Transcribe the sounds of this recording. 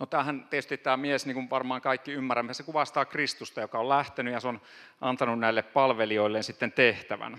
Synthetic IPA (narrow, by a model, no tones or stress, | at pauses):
not̪æːhænt̪et̪yst̪itt̪æːmiesniːŋkuʋɑrmɑːŋkɑikːiymːæræmːesekuʋɑst̪ɑːkrist̪ust̪ɑjokɑollæht̪enyjɑseon | ʔɑnt̪ɑnunnæilːeppɑlʋelioilːensit̪ːent̪eht̪æʋæ̰n